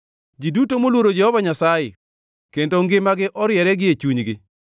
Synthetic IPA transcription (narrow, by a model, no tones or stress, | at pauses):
d͡ʒidutomolwoɾod͡ʒɛhɔvaɲasajḛ | kendoŋɡɪmaɡɪʔɔɾjɛɾɛɡɪet͡ʃuɲɡɪ